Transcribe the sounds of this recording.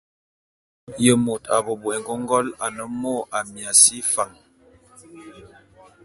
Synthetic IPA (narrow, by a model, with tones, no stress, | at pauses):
jə˨mo˨ta̰˨bo˨bo˨ɛ˨ŋɡo˦ŋ˦ɡɔ˦la˨nə˦mo˦˨ʔa˨mja˨si˦fa˨ŋ